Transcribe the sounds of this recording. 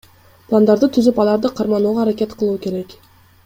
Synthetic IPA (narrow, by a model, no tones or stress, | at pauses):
pʰlˠand̪ɑɾd̪ət̪ʰʏzɪpɑlˠɑɾd̪əqʰɑɾmɑnuʁɑːɾakʲe̞t̪qʰəlˠuəkʲʰe̞ɾe̞k